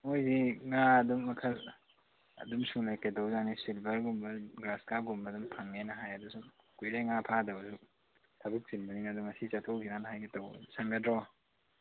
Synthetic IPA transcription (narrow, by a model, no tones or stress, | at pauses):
mojziŋaɐdumːɐkʰɐ | ɐ̰dumsulajkedawzanisilbɐɾɡumbɐɡɾaskaɡumbɐdumpʰaŋːenɐɦajɐdusum | kujɾeŋapʰadɐwsu | tʰɐbuk̚zinbɐniŋnɐdumɐsit͡ʃɐtʰokʰinanɐɦajɡitɐwsaŋɡɐdɾɔ